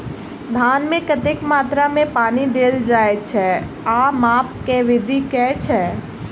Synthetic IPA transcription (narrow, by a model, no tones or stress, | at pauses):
d̪ʱaːnmẽkət̪ekmaːt̪ɾamẽpaːnid̪eːld͡ʒaːet͡ʃʰɛ | aːmaːp̚keʋɪd̪ʱikɛːt͡ʃʰɛ